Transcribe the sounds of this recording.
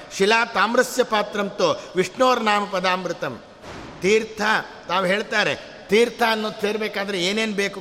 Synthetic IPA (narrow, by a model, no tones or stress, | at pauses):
ʃilaːt̪aːmɾɐsjɐpaːt̪ɾɐmt̪oʋiʂɳoːɾɐnaːmɐpɐd̪aːmɾɯt̪ɐm | t̪iːɾt̪ʰɐ | t̪aːʋɦeːɭt̪aːɾe̞̰ | t̪iːɾt̪ʰaːnːoːd̪seːɾbeːkaːd̪ɐɾeeːneːnbeːku